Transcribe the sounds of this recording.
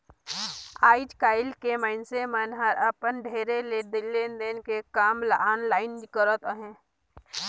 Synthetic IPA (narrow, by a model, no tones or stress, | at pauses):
aːɪd͡ʒkaːɪlkeməɪnsemənɦəɾəpənɖʱeːɾeled̪ɪlːend̪enkekaːmlaaːnlaːɪnkəɾət̪əɦẽː